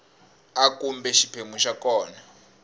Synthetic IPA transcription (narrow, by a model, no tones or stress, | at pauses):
akumbɛʃipʰemuʃakɔːna